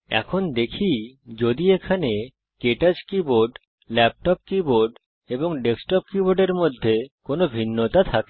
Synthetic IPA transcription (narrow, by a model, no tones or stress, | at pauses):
ɛ̰kʰond̪ekʰid͡ʑod̪iekʰane | keʈad͡ʑkiboɖ | lɛp̚ʈɔp̚kiboɾɖ | eboŋɖeksʈɔp̚kiboɖeɾmod̪ʱːekonobʱinːot̪at̪ʰake